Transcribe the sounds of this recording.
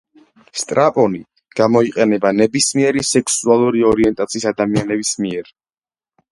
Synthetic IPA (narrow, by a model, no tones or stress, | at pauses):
st̪ʼɾapʼɔni | ɡ̥amɔiqʼɛnɛbanɛbismiɛɾisɛkʰsualˠuɾiɔɾiɛnt̪ʼat̪sʰiːsad̪amianɛbismiɛɾ